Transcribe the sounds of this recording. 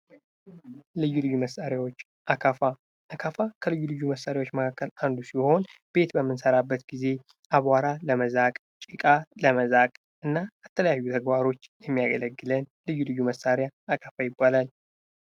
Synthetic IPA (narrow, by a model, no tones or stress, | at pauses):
lɨjːulɨjːuməsaɾjawot͡ʃː | ʔakʰafa | akʰafakʰəlɨjːulɨjːuməsːaɾjawo̞t͡ʃːməkʰakːəland̪usiho̞nb̥e̞t̪bəmːɨnsəɾabːət̪ɡize̞ | ʔaβaɾaləməzakʼ | t͡ʃʼikʼaləməzakʼ | ʔɨnːaːt̪ʰːələjajːut̪ʰəɡbaɾo̞t͡ʃːjɛmːijaɡələɡːɨlənlɨjːulɨjːuməsaɾjaːkʼafajɪbːalal